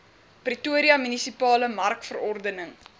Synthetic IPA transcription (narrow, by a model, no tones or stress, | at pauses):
prituəɾiɐmynisipɑːləmɐrkfərɔrdənəŋ